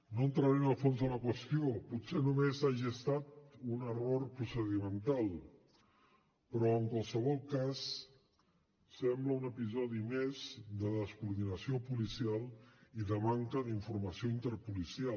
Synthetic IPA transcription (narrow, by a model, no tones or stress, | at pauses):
noənt̪ɾəɾɛməlˠfonzðələkwəst̪ioput̪senumezaʒiəst̪at̪unərorpɾusəðimənt̪alˠ | pɾɔəŋkwalˠsəβɔlˠkas | ɛmbləunəpizɔðimezd̪əðəskuɾðinəsiopulisialˠiðəmaŋkəðiɱfuɾməsioint̪əɾpulisia